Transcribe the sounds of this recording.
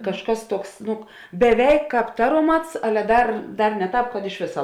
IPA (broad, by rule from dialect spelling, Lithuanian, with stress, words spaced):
kɐʃˈkɐs ˈtuɔks ˈnʊ bʲɛˈʋʲɛɪk ˈkɑːp ˈtɑːroːˌmɐts ˈɑːlʲɛ ˈdɐr ˈdɐr nʲɛ ˈtɑːp kɐt ɪʃ ˈʋʲeːsɐ